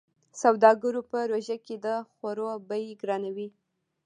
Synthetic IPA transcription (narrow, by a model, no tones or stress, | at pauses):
sawd̪ɑɡaɾopəɾoʒaked̪əxaɾobəjɡɾɑnawi